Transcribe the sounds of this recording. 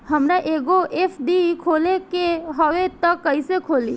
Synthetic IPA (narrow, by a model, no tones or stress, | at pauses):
ɦɐmɾaʔeːɡoʔepʰɖikʰoːlekeɦəʋet̪əkːəisekʰoːli